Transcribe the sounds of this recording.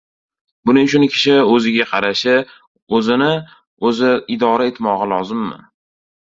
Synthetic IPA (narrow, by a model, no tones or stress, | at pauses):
bʊnɪŋt͡ʃʰʊnkʲʰɪ̥ʃɪɵzɪɡʲaqʰɑɾaʃɪ | ɵzɪnɪ | ɵzɪɪd̪ɒɾae̞t̪ʰmɒʁɨlˠɒzɪmːa̰n